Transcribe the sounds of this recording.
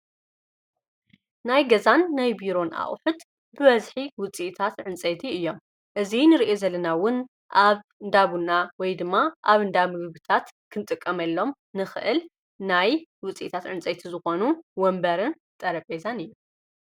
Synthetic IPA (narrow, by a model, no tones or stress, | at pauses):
najɡɐzanːajbiɾo̞nʔa̰χʼħʊt̪ | bɨβɐzħiwʊt͡sʼiʔt̪ʰat̪ʕɨnt͡sʼɐjt̪ʰiɨjːo̞m | ʔɨzinɨɾiʔe̞zɐlɐnawʊn | ʔaβnd̪aβunawɔjd̪ɨmːaʔaβɨnd̪ammɨɡβɨt̪ʰat̪kʰɨnt̪ʼɨkʼːɐmɐlːo̞m | nɨxɨʔɨl | najwʊt͡sʼḭʔt̪ʰat̪ʕɨnt͡sʼɐjt̪ʰizɨxo̞nuwɔmbɐɾɨn | t̪ʼɐɾɐpʼezanɨjːu